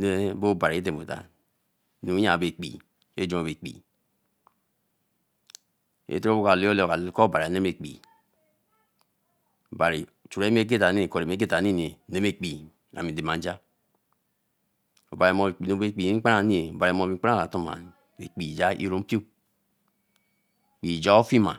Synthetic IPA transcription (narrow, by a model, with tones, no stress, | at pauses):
ne˦bo˦˨ba˨ɾi˨e˦te˨mo˨ta̰˨ | nu˨˦ja˨be˨k͡pḭ˨ | ḛ˦d͡ʒo˦o˨be˨k͡pḭ˨ | ḛ˨tɾo˦bo˦ka˨li˦o˦lka˨˦ko˦˨ba˨ɾi˨a˨ne˦m˦e˨k͡pḭ˨ | o˨ba˨ɾi˨t͡ʃu˨ɾe˦me˦k̬e˦ta˨ni˦e˨ko˨ɾi˨m˨e˦e˦ta˨˦i˦n˨e˨ne˦me˦k͡pi˨ | a̰˨mi˨de˨ma˨n˦d͡ʒa˦ | o̰˨ba˨ɾe˨mo˨k͡pi˨no˨be˦˨k͡pi˨˦k͡pa˦a˦˨˦ni˦e˨o˨ba˨ɾe˨m˨o˨bi˨˦k͡pa˦a˦˨la˨to˦ma̰˨ | ḛ˨k͡pi˨d͡ʒa˦ʔḭ˦ɾo˦m̩˦pi˦o˦˨ | k͡pi˨d͡ʒa˦o˦fi˦ma̰˨